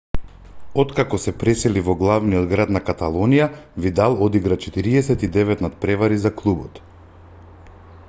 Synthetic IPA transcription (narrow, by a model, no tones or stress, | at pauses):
ɔt̪kakɔsɛpɾɛsɛlivɔɡlˠavnijɔd̪ɡɾat̪nakat̪alˠɔnijavid̪alˠɔd̪iɡɾat͡ʃɛt̪iɾiɛsɛt̪id̪ɛvɛt̪nat̪̚pɾɛvaɾizaklˠubɔt̪